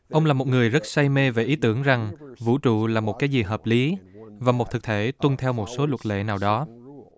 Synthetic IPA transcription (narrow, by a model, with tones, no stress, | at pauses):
ʔə˧wŋ͡mlaː˨˩mo˨˩t̚ŋɨ˨˩əjzə˦˥t̚sa˧jme˧ve˨˩ʔi˨˦t̪ɨ˧˩əŋza˨˩ŋvṵ˧˥t͡ɕṵ˧˨laː˨˩mo˨˩kaː˨˦jzi˨˩ɦəː˨˩p̚li˨˦vaː˨˩mo˨˩t̚t̪ʰɨ˨˩k̚t̪ʰe˧˩t̪wə˧ŋt̪ʰɛ˧wmo˨˩t̚so˨˦lwə˨˩t̚lḛ˧˨naː˨˩wɗɔ˨˦